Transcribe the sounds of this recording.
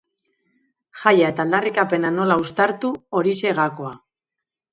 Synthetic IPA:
xajae̞t̪aːld̪arikape̞nano̞laust̪aɾt̪uo̞ɾise̞ɣako̞a

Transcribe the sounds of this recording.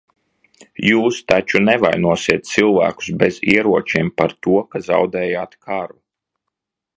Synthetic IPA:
juːst̪at͡ʃunɛvajnuɔsiɛt̪̚t̪silˠvæ̰ːku̥sbeziɛɾuɔt͡ʃimpaɾt̪uɔkaza̰wd̪ɛːjaːt̪kʰaɾu

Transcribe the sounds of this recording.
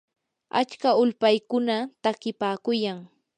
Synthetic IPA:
a̰t͡ʃkaʊlpajkʊnat̪akɪpaːkʊjaŋ

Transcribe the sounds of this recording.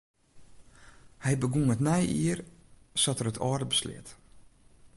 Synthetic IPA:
hɛjbəɡuŋətnɛjiər | sɔtərətʰɔ̰ːrdəbəslɪ̰ət

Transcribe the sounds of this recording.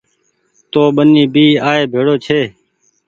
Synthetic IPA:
t̪oːɓəniːbʱiːaːeːbʱeːɽoːt͡ʃʰeː

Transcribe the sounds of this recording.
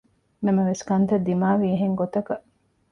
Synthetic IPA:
nɐmɐʋeskɐnt̪ɐd̪imaːʋiːɦeŋɡot̪ɐkɐʔ

